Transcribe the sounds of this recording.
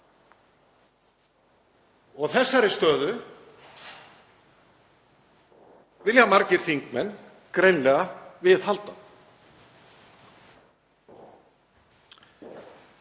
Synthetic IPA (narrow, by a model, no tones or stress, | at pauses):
ɔɣθɛsːaɾɪst̪œːðʏ | vɪljamaɾcɪɾ̥θiŋkmɛnː | kɾejnlɛɣavɪðɦalt̪an